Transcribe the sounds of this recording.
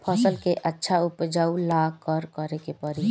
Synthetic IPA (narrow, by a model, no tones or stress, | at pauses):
pʰəsəlkeʔətːʃʰaʊpd͡ʒaːulakəɾkəɾekepəɾi